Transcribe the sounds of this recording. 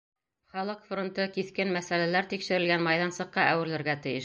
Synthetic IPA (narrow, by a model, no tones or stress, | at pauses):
χɑlˠɤqfront̪ɤkiθkɘnmæsælælæɾt̪ikʃɘ̆ɾɘ̆lɡænmɑjðɑnsɤ̆qːɑʔæwɘ̆ɾlɘ̆ɾɡæt̪ɘ̆jɘʃ